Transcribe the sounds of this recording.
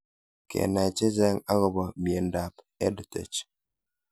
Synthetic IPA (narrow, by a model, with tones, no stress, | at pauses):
kʰḛ˨na˨t͡ʃe˦zɛ˦ŋa˦ɣɔ˦bɔ˨m˨e˨n̩˦da˨p | ɛ˦di˨tḛ˨t͡ʃ